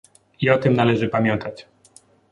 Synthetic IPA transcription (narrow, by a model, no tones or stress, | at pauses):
iɔt̪ɘmnalɛʐɘpamʲjɛnt̪at͡ɕ